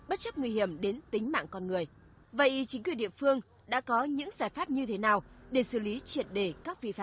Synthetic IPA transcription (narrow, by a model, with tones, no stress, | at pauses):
ɓə˦˥t̚t͡ɕə˦˥p̚ŋwi˧hi˧˩əmɗe˨˦nt̪ï˨˦ŋ̟ma̰ː˧˨ŋkɔ˧nŋɨ˨˩əj | və̰˧˨jʔt͡ɕi˨˦ŋkwənɗḭ˧˨əfɨ˧əŋ | ɗa̰ː˧˥kɔ˨˦ɲɨ̰˧˥ŋzaː˧˩jfaː˦˥p̚ɲɨ˧t̪ʰe˨˦naː˨˩wɗe˧˩sɨ˧˩li˨˦t͡ɕwi˧˩ənɗe˧˩kaː˦˥k̚vḭ˧faː˦˥